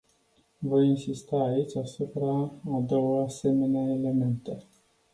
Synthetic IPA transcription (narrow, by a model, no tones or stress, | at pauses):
vo̞jinsist̪aːit͡ʃʲasupɾaːd̪o̞wəase̞me̞neaele̞me̞nt̪e